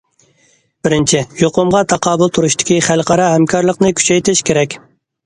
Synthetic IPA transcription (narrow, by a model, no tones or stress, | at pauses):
b̥ɪɾɪnt͡ʃʰɪjoqʊmʁɑt̪ʰɑqɑːbʊlˠt̪ʰuɾuʃt̪ɪ̥kʲʰiχælˠqɑɾɑɦɛmkʰɑɾlˠəqnɨkʲʰy̥t͡ʃʰɛjt̪ʰɪʃkʲeɾɛkʲ